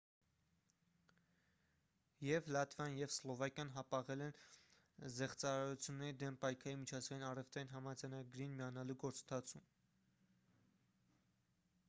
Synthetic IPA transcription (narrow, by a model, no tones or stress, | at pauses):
jɛvlɑt̪vɑnjɛvslɔvɑkjɑnɦɑpɑʁɛlɛn | zɛχt͡sɑɾɑɾut͡sʰjunːɛɾid̪ɛmpɑjkʰɑɾinmit͡ʃʰɑzɡɑjinɑrɛft̪ʰɑinɦɑmɑd͡zɑjnɑɡɾinmijɑnɑluɡɔɾt͡sənt̪ʰɑt͡sʰum